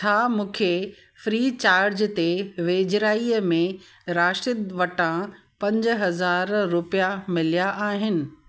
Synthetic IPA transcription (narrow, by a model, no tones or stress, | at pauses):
t͡ɕʰaːmũːkʰe | fɾiːt͡ɕaːɾɾd͡ʑt̪eʋeːd͡ʑɾaːiəmẽ | ɾaːʃɪd̪ʋɐʈã | pɐ̃ɲd͡ʑɦɐzaːɾːʊpijamɪlijaʔaːɦɪnɪ̆